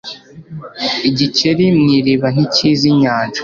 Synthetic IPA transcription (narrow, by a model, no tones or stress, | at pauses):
iɟiceɾimŋiːɾiβan̥iciːziɲaːnd͡ʒo̥